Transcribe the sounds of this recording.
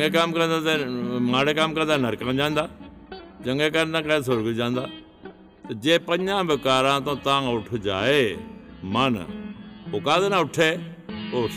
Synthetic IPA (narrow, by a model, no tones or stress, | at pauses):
ŋɡekaːmkəɾə̃nd̪at̪mãːɽekaːmkəɾə̃nd̪anəɾkãːd͡ʒãːnd̪aː | t͡ʃɐ̃ŋɡeːkaɾnd̪ãkãs̬oɾɡd͡ʒãːnd̪aː | t̪ɐd͡ʒẽːpəɲãːbɪkaːɾãːt̪õːt̪ãːʊʈʰd͡ʒa̰ːeːmaːn̰oːkãːd̪enãːʊʈʰeːoː